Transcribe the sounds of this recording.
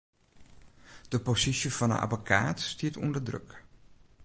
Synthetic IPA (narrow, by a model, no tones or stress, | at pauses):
d̥əposisjəfɔnə̰nʔa̰bokʰa̰ːtstiətʰṵndərdrø̰k